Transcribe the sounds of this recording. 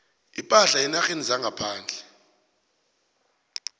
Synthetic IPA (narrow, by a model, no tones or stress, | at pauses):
ipʼaɬainaxenizaŋɡʱapʰaːnd͡ɮʱɛ